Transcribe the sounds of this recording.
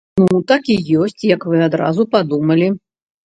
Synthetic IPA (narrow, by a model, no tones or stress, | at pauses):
nut̪akʲijɔsʲt͡sʲjɐkvɨad̪ɾa̰zupad̪umɐlʲi